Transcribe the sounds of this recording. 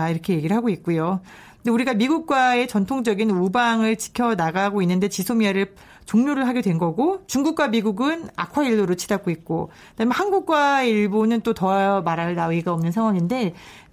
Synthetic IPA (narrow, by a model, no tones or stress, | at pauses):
aiɾʌkʰe̞je̞ɡiɾɯɭɦaɡoit̚k͈ujo | ndeuɾiɡamiɡuk̚k͈wae̞t͡ɕʌntʰoŋd͡ʑʌɡinubaŋɯɭt͡ɕi̥kʰjʌnaɡaɡoinːɯnde̞t͡ɕisʰomiaɾɯɭ | t͡ɕoŋɲoɾɯɭɦaɡedwe̞nɡʌɡot͡ɕuŋɡuk̚k͈wamiɡuɡɯna̰kʰwaiɭːoɾot͡ɕʰidaɡ͈oit̚k͈o | d̥amehanɡuk̚k͈waeiɭbunɯnt͈otʌamaɾaɭnawiɡaʌmnɯnsʰaŋwaŋinde̞